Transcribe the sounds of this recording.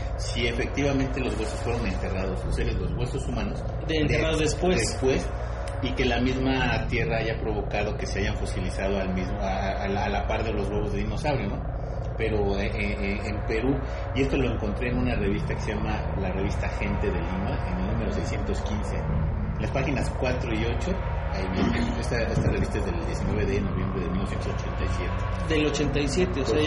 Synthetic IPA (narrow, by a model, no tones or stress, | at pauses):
sie̞fe̞k̚t̪iβamẽnt̪e̞lo̞zɣwe̞so̞sfweɾo̞ne̞nt̪e̞rað̞o̞soseɾezlozɣwe̞so̞sumãno̞s | neraðozðespwesespwe̞s | ike̞lamizmat̪je̞raaʝapɾo̞β̞o̞kaðo̞ke̞se̞aʝaɱfosilisað̞oalmizmoalalapaɾt̪eðelo̞zɣweβo̞zðeðino̞sawɾjono | pe̞ɾo̞eʔe | empe̞ɾu | ie̞st̪o̞lo̞eŋko̞nt̪ɾe̞ːnũnare̞β̞ist̪akeseʝama | lare̞β̞ist̪axe̞nt̪e̞ðe̞limaenelnũme̞ɾo̞sejsje̞nt̪o̞skinse̞̰ | nlaspaxinaskwat̪ɾo̞io̞t͡ʃo̞ | aiβjenenest̪aest̪are̞βist̪aezðe̞ld̪je̞sinweβeðeno̞βje̞mbɾe̞ðmilnosent̪osot͡ʃe̞nt̪ajsje̞t̪e | d̪elot͡ʃe̞nt̪ajsjet̪eose